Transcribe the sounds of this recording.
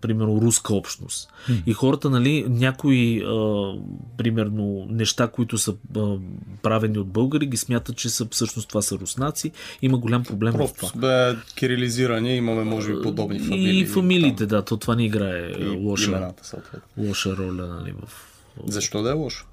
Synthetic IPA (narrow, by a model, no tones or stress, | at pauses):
pɾimɛɾnoɾuskəɔpʃt̪no̰st̪ixɔɾət̪ənɐlinʲakoiə | pɾimɛɾnonɛʃt̪akoit̪ʊsəəpɾavɛniod̪̚bɤlˠɡəɾiɡʲismʲjat̪ət̪̚t͡ʃɛsəfsɤʃnost̪ovasəɾusnat̪siiməɡolʲampɾoblɛmvɾft̪vad̪aɛkʲiɾiliziɾɐnɛimɐmɛmɔʒɛbipod̪ɔbnifɐiilifɐmiliːt̪ɛd̪at̪ot̪ovanɛiɡɾaɛ̰lˠɔʃəat̪ə̥sə̰lˠt̪vɛ̰t̪nlˠɔʃəɾɔlʲənɐ̰lḭvə̰f | zɐʃt̪ɔd̪ɐɛlˠɔʃə̥